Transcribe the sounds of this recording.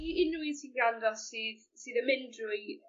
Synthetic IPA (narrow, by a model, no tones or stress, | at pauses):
ɪnujsinɡandɔsiːð | sɨːðəmɛndrʊɨ